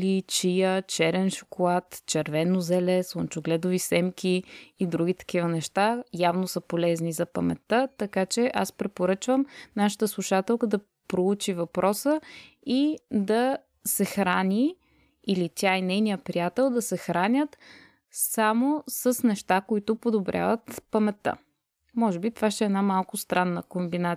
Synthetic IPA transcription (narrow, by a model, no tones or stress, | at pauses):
lit͡ʃijət͡ʃɛɾɛnʃo̥kolˠat̪t͡ʃɛɾvɛnozɛlɛslˠont͡ʃʊɡlɛd̪ʊvisɛmkʲiːd̪ɾuɡ̟it̪ɐ̥kivənɛʃt̪ajavnosəpolɛznizɐpɐmɛ̰t̪ːət̪ɐkat͡ʃɛʔa̰spɾɛpoɾɤt͡ʃvəmnaʃə̥t̪əslˠuʃat̪ɛlˠkəd̪ɐ | pɾout͡ʃivɐpɾʔɔsə | id̪ɐ | sɛxɾani | ilit̪ʲjainɛjnijəpɾijat̪ɛlˠd̪ɐsɛxɾanʲət̪ | samosəsnɛʃt̪akoit̪ʊpod̪obɾʲʔa̰vət̪pəmɛt̪ːə̰ | mɔʒɛbit̪ovaʃt̪ɛːnamalˠkʊst̪ɾanːəkombina